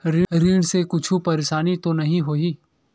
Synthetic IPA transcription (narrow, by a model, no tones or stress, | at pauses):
ɾiɾiːɽ̃sekʊt͡ʃʰupɐɾeːʃaːnit̪onɐɦĩɦoːiː